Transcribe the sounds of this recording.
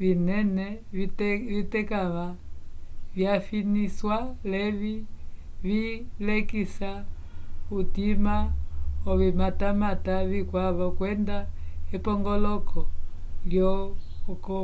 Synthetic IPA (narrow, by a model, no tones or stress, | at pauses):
ʋinɛnɛ | ʋitɛkaʋa | vjafiniswalɛʋi | βilɛkisa | utimaɔβimatamataβikwaβakwɛndaɛpɔŋɡɔlɔkɔljɔ | kɔ